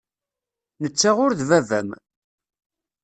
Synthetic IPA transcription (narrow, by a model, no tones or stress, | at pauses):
nət͡sːaʁʊɾðvævæ̰m